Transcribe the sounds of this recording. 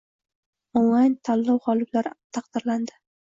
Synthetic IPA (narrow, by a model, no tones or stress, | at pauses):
owant̪ʰalːɒwʁɒlɪblaɾt̪ʰɑqd̪̥ɪɾland̪ɪ̥